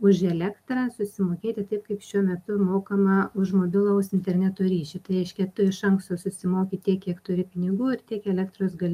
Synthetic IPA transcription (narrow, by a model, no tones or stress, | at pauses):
ʊʃɛlʲæːkt̪ɾɐsʊsʲɪmoːkʲeːt̪ʲɪt̪ɐɪp̚kɐɪpʃʲuɔmʲɛt̪ʊmoːkɐmɐʊʃmoːbʲɪlˠɐʊsɪnʲt̪ʲɛrʲnʲæt̪oːɾʲiːʃʲʊt̪ɐɪɾɛɪʃʲkʲɛt̪ʊɪʃɐŋkst̪oːsʊsʲɪmoːkʲit̪ʲiɛkːʲiɛkt̪ʊɾʲɪpʲɪnʲɪɡuːɪrt̪ʲiɛkɛlʲɛkt̪ɾosɡɐlʲɪ